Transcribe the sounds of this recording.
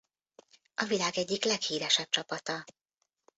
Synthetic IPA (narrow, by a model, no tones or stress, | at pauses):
ɒvilaːɡɛɟːiklɛkhiːɾɛʃɛp̚t͡ʃɒpɒt̪ɒ